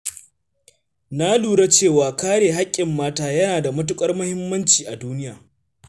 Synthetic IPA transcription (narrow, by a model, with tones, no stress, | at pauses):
na˦luː˨ɽa˦t͡ʃeː˦˨waː˨kaː˦ɽeː˨ɦa˦kʲʼːɪ˨mːaː˦taː˦jɐ˦naː˨da˨mʊ˦t̬ʊ˦kʼɐ˦rmʊ˦hɪ˦mːɐ˦nt͡ʃiː˨ʔa˨duː˦nɪ˦jaː˨